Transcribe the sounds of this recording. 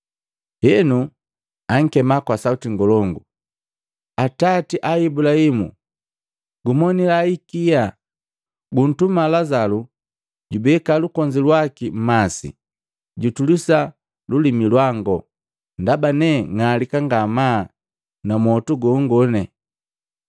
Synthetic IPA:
hɛnu | aŋ̩kɛmakwasautiŋɡɔlɔŋɡu | atatiʔaibulahimṵ | ɡumɔnilaikija | ɡun̩tumalazalu | ɟubɛkalukɔɲd͡ʒilwakim̩masḭ | ɟutulisa | lulimilwaŋɡɔ | ndabanɛŋalikaŋɡama | namɔtuɡɔŋɡɔnɛ

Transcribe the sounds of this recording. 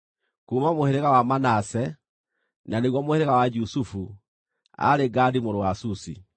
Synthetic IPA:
kuːmamoheɾeɣawamanasɛ | naneɣwɔmoheɾeɣawad͡ʒusufu | a̰ɾeɡadimoɾowasusḭ

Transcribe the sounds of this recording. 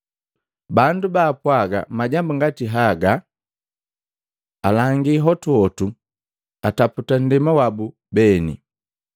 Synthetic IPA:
bandubaːpwaɡa̰maɟambuŋɡatiɦaɡa | alaŋɡiɦɔtuɔtu | ataputan̩dimawabu | bɛnḭ

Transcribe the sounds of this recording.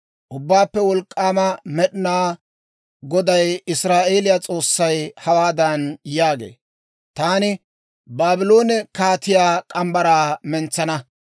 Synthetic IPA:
ʔʊbːaːpːɛwɔlkʼːaːmɐmɛɗɪnaː | ɡɔd̪ɐjɪsɾaːʔe̞ːlɪjat͡sʼo̞ːsːɐjhɐwaːd̪ɐnjaːɡḛː | t̪aːnɪ | baːbɪlo̞ːnɛkaːt̪ɪjaːkʼɐmbɐɾaːmɛnt͡sːɐnɐ

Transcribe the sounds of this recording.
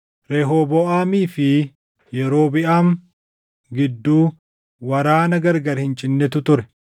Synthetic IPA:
ɾɛɦoːbɔʔaːmiːfɪ | jɛɾo̞ːbɪʔaːm | ɡɪd̪ːuː | wɐɾaːnɐɡɐɾɡɐɾhɪnt͡ʃʼɪnːɛt̪ʊt̪ʊɾɛ̥

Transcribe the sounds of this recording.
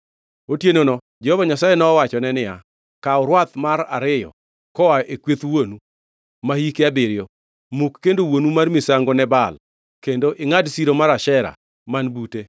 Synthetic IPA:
otjenonɔ | d͡ʒɛhɔvaɲasajenɔːwat͡ʃɔnɛnɪja | kaʊɾwat̪maɾa̰ɾɪjɔ̰ | kɔwaʔekwet̪wonu | mahikeabɪɾɪjo | mukːendowonumarmisaŋɡonɛbal | kendoʔɪŋadsiɾomaɾaʃɛɾa̰ | manbute

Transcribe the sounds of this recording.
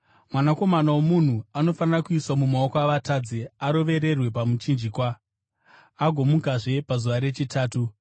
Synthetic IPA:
mwanako̞manawomun̤uano̞fanirakuiswamumaokoaʋatad͡zeaɾo̞ʋe̞ɾe̞rwe̞pamut͡ʃind͡ʒikwaː | ɡʱo̞mukaʐe̞pazuʋaɾe̞t͡ʃitʰaːtu

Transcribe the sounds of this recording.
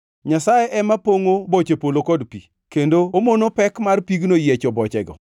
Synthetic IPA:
ɲasajeʔɛmapoŋobot͡ʃepolokɔdpi | kendoomonopɛkmarpiɡnojet͡ʃɔbɔt͡ʃɛɡɔ̰

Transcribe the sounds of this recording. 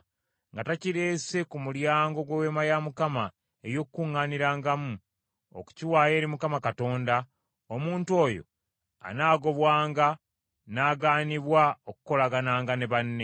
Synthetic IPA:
ŋɡataciɾe̞ːse̞kumuljaːŋɡo̞ɡwewe̞majamukama | ejo̞kːuŋːaːniɾaːŋɡamu | o̰ku̥ciwaːjeːɾimukamakato̞ːnda | omuːntuo̞ːjo̞̰ | a̰naːɡo̞βwaːŋɡa | naːɡaːniβwaoku̥ko̞laɡanaːŋɡaneβanːe

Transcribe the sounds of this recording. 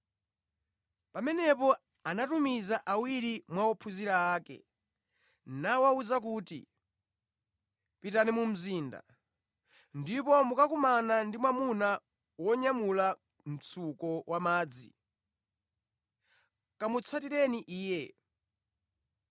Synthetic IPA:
pamɛnɛpɔ | anatumizaʔawiɾimwawɔpʰuziɾaaːkɛ̰ | nawauzak̬uːtḭ | pitanimum̩ziːnda̰ | ndipɔmukakumanandimwamuna | wɔɲamula | m̩t͡sʰukɔwamaːd͡zḭ | kamut͡sʰatiɾɛniʔiːjɛ

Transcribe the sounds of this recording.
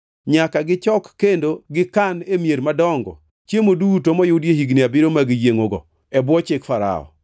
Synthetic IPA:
ɲakaɡɪt͡ʃɔkːendoɡɪkanemjeɾmadɔŋɡɔ̰ | t͡ʃjemodutomɔjʊdjehiɡniabɪɾomaɡɪjeŋoɡɔ̰ | ɛbwɔt͡ʃɪkfaɾa̰ɔ̰

